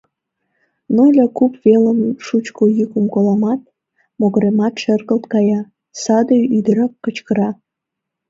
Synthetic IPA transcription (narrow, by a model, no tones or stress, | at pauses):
nojlʲɑkupveləmʃut͡ɕkojykəmkolɑmɑt̪̚ | moɣəɾemɑt̪ʃərɣəlt̪kɑjɑ | sɑd̪ojyd̪əɾɑkːət͡ɕkəɾɑ